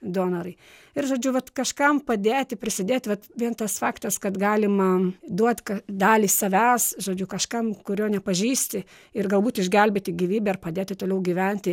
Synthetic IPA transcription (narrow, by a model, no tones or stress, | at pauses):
d̪oːnɐɾɐɪ | ɪrʒoːd͡ʒʲʊʋɐt̪kɐʃkɐmpɐd̪ʲeːt̪ʲɪpʲɾʲɪsʲɪd̪ʲeːt̪ʲʋɐt̪ʋʲiɛnt̪ɐsfɑːkt̪ɐskɐt̪ɡɑːlʲɪmɐd̪uɔt̪ʲkɐd̪ɑːlʲiːsɐʋʲæsʒoːd͡ʒʲʊkɐʃkɐmkʊɾʲoːnʲɛpɐʒʲiːsʲt̪ʲɪ | ɪrɡɐlˠbuːt̪ɪʒʲɡʲɛlʲbʲet̪ʲɪɡʲiːʋʲiːbʲɛɪrpɐd̪ʲeːt̪ʲɪt̪oːlʲɛʊɡʲiːʋʲɛnʲt̪ʲɪ